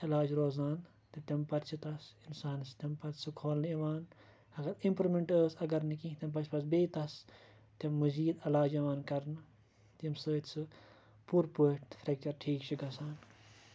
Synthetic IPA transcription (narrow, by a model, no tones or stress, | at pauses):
ɐlaːd͡ʒɾoːzaːn | t̪ɐt̪ɐmpɐɾt͡ʃʰit̪ɐsinsaːnst̪ɐmpɐt̪sɨkʰoːlniʋaːn | ɐɡɐɾimpɾimeɳʈəːsɐɡɐɾnikĩt̪ʲɐmp̬ɐt͡ʃʰpɐsbeːt̪ɐs | t̪ɐmːɐziːd̪ɐlaːd͡ʒɐʋaːnkɐɾnɨ | t̪imsəːt̪ʲsɨ | puːɾpuʈ̪fʰɾɐk̚t͡ʃɐɾʈʰiːkt͡ʃʰiɡɐsaːn